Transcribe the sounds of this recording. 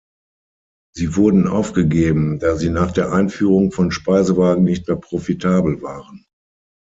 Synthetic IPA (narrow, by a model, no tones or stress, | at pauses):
ziːvʊɐdn̩ʔa̰ʊfɡ̥əɡeːbm̩daːziːnaːχd̥eːɐʔaɪnfyːʁʊŋfɔnʃpaɪzəvaːɡŋ̩nɪçtmeːɐpʁ̥ofitʰaːbl̩vaːʁən